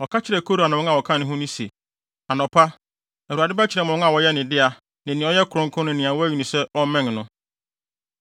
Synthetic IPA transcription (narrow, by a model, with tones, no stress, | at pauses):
ɔ˨kʰa˦t͡ɕʰɪ˨ɾɛ˨kʰo˦ɾu˨a˨nã˨˦a˨wɔ˨kʰã˦nʊ̃˦ɦʊ̃˦nʊ̃˦se˨ | a˨nɔ̃˨pʰa˦ | æ˨u˨a˨dɪ˦ba˦t͡ɕʰɪ˨ɾɛ˨mʊ̃˨˦a˨wɔ˨jɛ˦nɪ̃˨dɪ˦a˨ | nɪ̃˨nɪ̃˨˦ɔ˦jɛ˦kʰʊ˨ɾʊ̃˦ŋ̩˦kʰʊ̃˦nʊ̃˦nĩ˨ã˨wɔ˦æ˦ɥi˨nĩ˨sɛ˦ɔ˦mɛ̃˦˨nnʊ̃˦